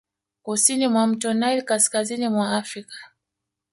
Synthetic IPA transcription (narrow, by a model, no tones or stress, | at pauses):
kusinimwam̩tɔnailkaskazinimwaafɾikḁ